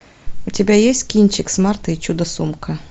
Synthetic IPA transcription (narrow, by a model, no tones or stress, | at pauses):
utʲɪbʲajesʲtʲkʲinʲt͡ʃɪksmart̪ɐit͡ʃud̪ɐsumkɐ